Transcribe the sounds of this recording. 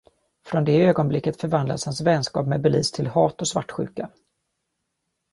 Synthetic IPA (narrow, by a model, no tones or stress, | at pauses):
fɾɔnd̪ɛøːɡɔnblɪkːət̪fœɾvand̪lashansvɛnskɑ̰ːpmɛd̪̚bɛliːst̪ʰɪlhɑːt̪ɔsvaʈːɧʉ̟̰ːka